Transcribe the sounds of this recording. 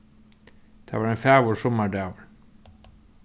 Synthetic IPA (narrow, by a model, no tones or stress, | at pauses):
θʰa̰vaɾɛnfaːvɔɾ̥sɔmːad̪avl